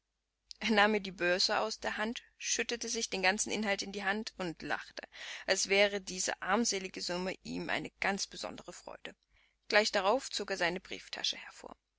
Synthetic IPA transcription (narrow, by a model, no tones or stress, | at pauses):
ʔeːɐnaːmiːɐdiːbøɐzəʔa̰ʊsd̥eːɐɦant | ʃʏtətəzɪçd̥eːnɡant͡sn̩ʔɪnɦaltɪndiːɦantʰʊntla̰χtʰəʔalsv̥ɛːʁ̞ədiːzə̰ʔaɐmzeːlɪɡəzʊməʔḭːmʔa̰ɪnəɡ̥a̰nt͡sb̥əzɔ̰ndəʁəfʁ̥ɔ̰ʏd̥ə | ɡ̥laɪçd̥aʁ̞aʊft͡soːkeːɐzaɪnəbʁḭːftʰa̰ʃəhɛɐfo̰ːɐ